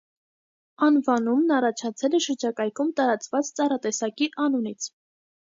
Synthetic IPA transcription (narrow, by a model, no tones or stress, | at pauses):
ɑnvɑnumnɑrɑt͡ʃʰɑt͡sʰɛlɛʃəɾd͡ʒɑkɑjkʰumt̪ɑɾɑt͡svɑt͡st͡sɑɾɑt̪ɛsɑkiʔɑnunit͡sʰ